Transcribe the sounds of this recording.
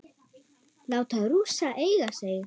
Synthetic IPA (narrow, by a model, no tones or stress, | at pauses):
laːwt̪aðɾuːsaʔeːjɣaseːjɪ